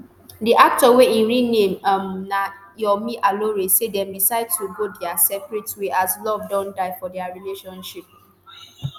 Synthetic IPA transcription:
diʔak̚tɔweĩɹinẽmamnajɔmiʔaloɹesedɛ̃mdisaɪdtuɡodɛasɛpɹɛtweʔaslɔvdɔ̃ndaɪfɔdɛaɹileʃɔ̃nʃip̚

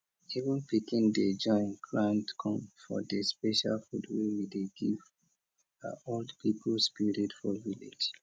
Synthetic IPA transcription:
ivə̃npikĩnded͡ʒɔ̃ɪ̃nɡɹãntkʰɔ̃mfɔ̰dəspɛʃa̰lfudwewideɡiv | a̰oldpipʰlspiɹitfɔvilḛd͡ʒ

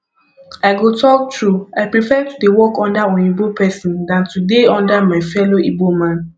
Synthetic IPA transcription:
aɪɡotʰɔk̚tɹuaɪpɹifɛtudewɔkɔ̃ndaɔ̃nibopʰɛsĩndãntudeɔ̃ndamaɪfɛloʔibomãn

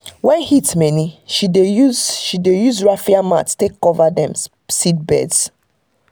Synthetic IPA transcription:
wɛ̃nhitmɛniʃidejuzʃidejuzɹafiamatstekːɔvadɛ̃m | sit̚bɛ̰ds

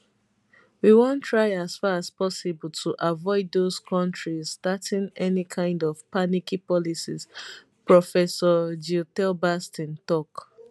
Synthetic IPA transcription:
wiwõntʰɹaɪaz̥faɹaspɔsibəltʰuʔavɔɪdðoz̥kʰɔ̃ntɹizstatĩnɛnikʰãɪ̃ndɔv̥panikipɔlisiz̥ | pɹɔfɛsɔd͡ʒitɛlbastĩntɔk

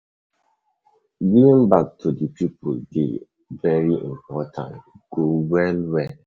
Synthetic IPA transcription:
ɡivĩŋbak̚tʰudəpʰipʰʊldḛ | vɛɹiʔḭ̃mpʰɔtʰã̰nt | ɡ̥owɛlwɛl

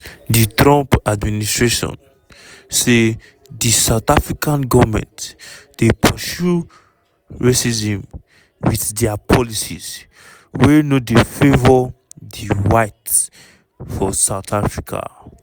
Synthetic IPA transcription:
ditɹɔ̃mpadministɹeʃɔ̰̃n | se | disaʊtafɹikãnɡɔvmɛ̰̃ntd̥epʰɔʃu | ɹesizɛ̃m | wiθdɛapʰɔlisḭz | wɛnodefevɔdiɹaɪt | fɔsaʊtʰafɹikʰa̰

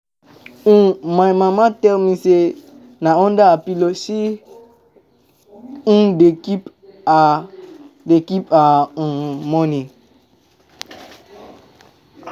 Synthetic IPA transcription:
ũmãmãmãtɛlmĩse | nãɔ̃ndaapilosi | ũdekip | a | dekipaũmɔ̃nĩ

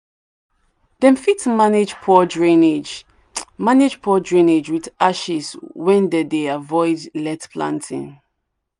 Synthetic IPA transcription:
d̥ɛ̃nfitmaned͡ʒpʰɔdɹĩned͡ʒ | maned͡ʒpʰɔdɹĩned͡ʒwiðaʃiswɛ̃ndɛdeavɔɪdlɛtpʰlã̰ntʰḭ̃n

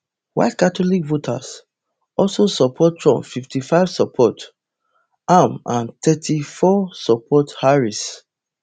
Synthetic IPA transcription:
wa̰ɪtkatolikvotʰa̰s | ɔlsosɔpʰɔtɹɔ̰̃mfiftifaɪv̥sɔpʰɔt | amãntʰɛtʰifɔsɔpʰɔthaɹis

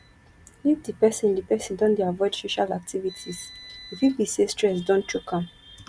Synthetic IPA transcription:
ifdipɛsĩndipɛsĩndɔ̃ndiavɔɪd̥soʃalak̚tʰivitʰizifiwisestɹɛs̬dɔ̃ntʰɹukʰãm

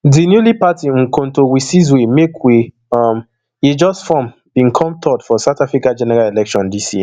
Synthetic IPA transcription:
dinjulipatiŋ̩kõn̩towisiz̬wemekwe | am | id͡ʒɔsfɔ̃m | b̥ĩŋ̩kʰɔ̃mtʰɔdfɔsatafɾikad͡ʒɛnɛɾalelɛkʃɔ̃ndisḭ

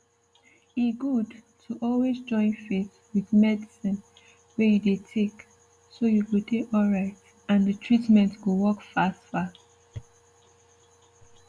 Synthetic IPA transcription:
iɡud | tʰuʔɔlwezd͡ʒɔ̃ɪ̃nfeθ | wiðmɛdisĩn | wɛjudetʰek | sojuwudekɔlɹaɪt | ãndətʰɹitmɛ̃ntɡowɔkfastfa

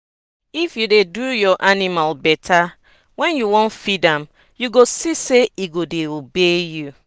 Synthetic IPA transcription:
ifjudedujɔʔanimalbɛtʰa | wɛ̃njuwɔ̃nfidãm | juɡosiseiɡodeobeju

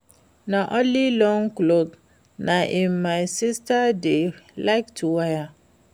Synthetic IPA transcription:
naʔɔ̃lilɔŋklok | naʔimmajsistadelaɪktʰuwaja

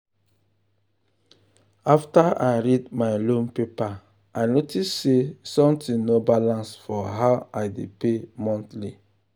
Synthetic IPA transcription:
aftaa̰jɹidmaɪlõmpepa | ajnotistsesɔ̃mtĩnobalãnsfɔɦawajdepemɔ̃ntli

